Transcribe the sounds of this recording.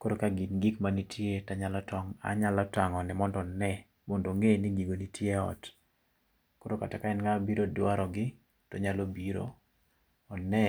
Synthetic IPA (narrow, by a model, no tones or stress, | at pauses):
koɾokaɡinɡikmanitʰjetaɲalɔtɔŋa̰ɲalɔtaŋɔnɛmɔndɔnɛ | mondoŋeniɡiɡonitʰjeɔ̰t | koɾokatakaɛnŋabiɾodwaɾɔɡɪ | tɔɲalobiɾo̰ | ɔnɛ